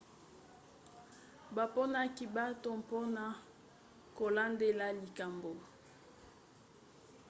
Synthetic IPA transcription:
ba˨po˦na˦ki˦ba˦to˦mpo˦na˨ | ko˨la˦nde˦la˦li˨ka˨mbo˨

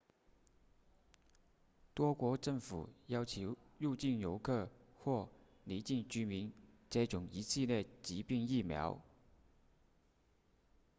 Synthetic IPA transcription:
t̪wɔ˥kwɔ˧˥ʈ͡ʂɤ˥˩ŋfṵ˨˩jɑ˥ʊt͡ɕʰjo˧˥ʊɻu˥˧t͡ɕi˥˩njo˧˥ʊkʰɤ˥˩xwɔ˥˩ | li˧˥t͡ɕi˥˩nt͡ɕy˥mi˧˥nt͡ɕɛ˥ʈ͡ʂʊ˨˩˦ŋi˧˥ɕʰi˥˧ljɛ˥˩t͡ɕi˧˥pi˥˧ŋi˥˩mjɑ̰˧˥ʊ

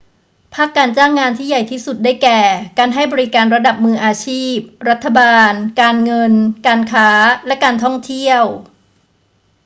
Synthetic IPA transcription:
pʰaː˥˩kːaː˧nt͡ɕaː˥˩ŋːaː˧nt̪ʰiː˥˩ja˨˩jt̪ʰiː˥˩su˨˩t̪̚daː˥˩jkɛː˨˩kaː˧nɦa˥˩jbɔː˧ɾi˦˥kaː˧nɾa˧da˨˩p̚mɯː˧ʔaː˧t͡ɕʰiː˥˩p̚ɾa˦˥t̪ʰːa˧baː˧nkaː˧nŋɤ˧nkaː˧nkʰaː˦˥lɛ˦˥kaː˧nt̪ʰɔ˥˩ŋt̪ʰi˥˩əw

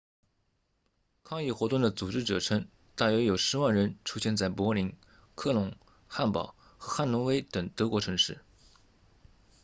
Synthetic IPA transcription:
kʰɑ˥˧ŋi˥˩xwɔ˧˥t̪ʊ˥˩ŋd̪ə˩t͡su˨˩ʈ͡ʂɻ̩˥˩ʈ͡ʂɤ˨˩ʈ͡ʂʰɤ˥ŋ | t̪a˥˩jɥɛ˧˥jo˨˩ʊʂɻ̩˧˥wa˥˩nɻə˧˥nʈ͡ʂʰu˥ɕjɛ˥˧nt͡sa˥˩ɪpwɔ˧˥li˧˥ŋ | kʰɤ˥˩lʊ˧˥ŋ | xa˥˩npɑ̰˨˩ʊ | xɤ˧˥xa˥˩nlʊ˧˥ŋwe˥ɪt̪ɤ˨˩ŋt̪ɤ˧˥kwɔ˧˥ʈ͡ʂʰɤ˧˥ŋʂɻ̩˥˩

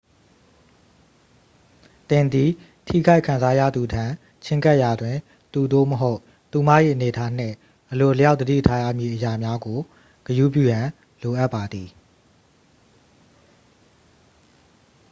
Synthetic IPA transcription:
t̪ɪ̃˨nd̪i˨ | tʰḭ˦˨ɡa˦ɪʔkʰːã˨nza˦jä̰˦˨d̪u˨tʰã˨ | t͡ɕʰɪ̃˦ŋka˦ʔja˨dwɪ̃˨ | t̪u˨d̪o̰˦˨məɦo˦ʊʔ | t̪u˨mä̰˦˨ʔḭ˦˨ʔəne˨tʰa˦n̥ɪ̰̃˦˨ | ʔəlo˨ləja˦ʊʔd̪ədḭ˦˨tʰa˦jä̰˦˨mji˨ʔəja˨mja˦ɡo˨ | ɡ̥əju˦˨pjṵ˦˨jã˨ | lo˨ʔa˦ʔpːa˨d̪ði˨

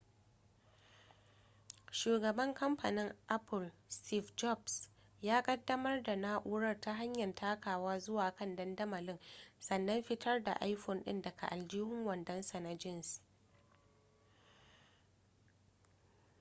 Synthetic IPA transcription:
ʃuː˨ɡɐ˨bɐ˦ŋkɐ˦mpa˨nɪ˦ŋʔa˦pʊ˨lsti˦fd͡ʒɔ˦˨bs | jaː˦kʼɐ˦dːɐ˦mɐ˦rda˨naː˦ʔuː˦ɽɐ˦rta˦ɦa˦ɲjɐ˨ntʰaː˦kaː˨waː˦zʊ˦waː˨kɐ˦˨ndɐ˦ndɐ˦mɐ˨lɪ˦ŋsɐ˨nːɐ˦mɸɪ˦tʰɐ˦rda̰˨ʔa˦jɸɔ˨nɗɪ̰˦ndɐ˨kʰa̰˨ʔa˨ld͡ʒiː˦hʊ˦ŋwɐ˨ndɐ˦nsɐ˨na˦d͡ʒɪ˦˨ns

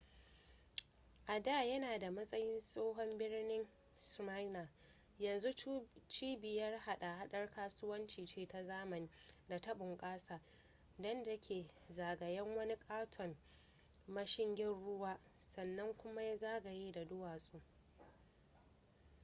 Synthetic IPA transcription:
ʔa˨daː˦˨jɐ˦naː˨da˨mɐ˦sʼɐ˦jɪ˦nsʼoː˦ɦɔ˦mbɪ˦rnɪ˦ŋ | sma˦jnaː˨ | jɐ˨nzu˦t͡ʃiː˦bɪ˨jɐ˦rha˦ɗa˨ha˦ɗɐ˦rkaː˦sʊ˦wɐ˦nt͡ʃiː˨t͡ʃeː˦ta˨zaː˦mɐ˨niː˨da˨tɐ˦ɓʊ˨ŋkʼaː˦saː˨ | dɔ˦ndɐ˦kʲʰeː˨zaː˨ɡɐ˨jɛ˦ŋwɐ˦ni˦kʼaː˦tʰɔ˨n | mɐ˦ʃɪ˦ŋɡʲɪ˦nɽʊ˦waː˦ | sɐ˨nːɐ˦ŋkʷʊ˦ma˦ja˦zaː˦ɡa˨jeː˦da˨dʊ˦waː˨sʼuː˦ʔ

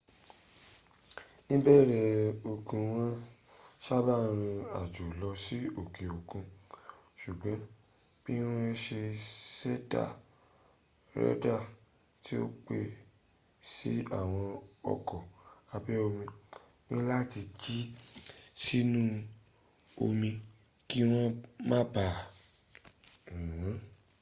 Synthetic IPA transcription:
nĩ˦bɛ˦˨ɾɛ˦˨o˨kũ˧w̃ã˦ʃa˦ba˦˨ɾ̃ĩ˧a˨d͡ʒo˨lɔ˧si˦o˨ke˨o˨kũ˧ | ʃu˨ɡ͡bã˨˦b̥i˦w̃ɔ̃˦˧˦ʃe˧sɛ˦da̰˦˨ | ɾɛ̰˦da˦˨ | ti˦o̰˦k͡pe˧ | si˦a˦˨w̃ɔ̃˧ɔ̰˨kɔ˨a˧bɛ˦o˧mĩ˧ | nĩ˦la˦ti˧d͡ʒi˦ | si˦nũ˦ | o˧mĩ˧ | ki˦ɾ̃ɔ̃˦mã˦ba˨ | ũ˨˦

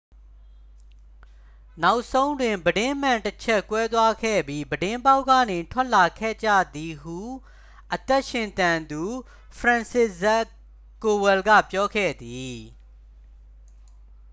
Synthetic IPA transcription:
na˦ʊʔsõ˦ʊ̃ndwɪ̃˨mbədɪ̃˦m̥ã˨ntət͡ɕʰɛ˦kwɛ˦t̪̬wa˦kʰɛ̰˦˨bji˦bədɪ̃˦mba˦ʊʔkːä̰˦˨ne˨tʰwɛ˦ʔla˨kʰɛ̰˦˨d͡ʑä̰˦˨d̪i˨ɦu˦˨ | ʔət̪ɛ˦ʔʃɪ̃˨nt̪ã˨nd̪u˨ | pʰɹã˨nsɪ˦zɛ˦ | ko˨wɛ˨lɡä̰˦˨pjɔ˦kʰɛ̰˦˨d̪i˨

